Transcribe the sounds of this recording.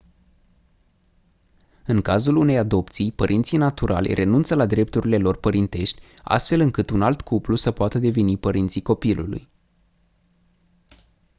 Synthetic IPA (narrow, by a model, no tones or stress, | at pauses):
ɨŋkazulune̞jad̪o̞p̚t̪sijpəɾʔint̪sijnat̪uɾʔa̰lʲrʔe̞nunt̪səlad̪ɾe̞p̚t̪uɾile̞lo̞rpəɾint̪e̞ʃt̪ʲ | a̰st̪fe̞lɨŋkɨt̪unalt̪kʰuplusəpoat̪əd̪e̞ve̞nipəɾint̪siko̞pilṵlṵj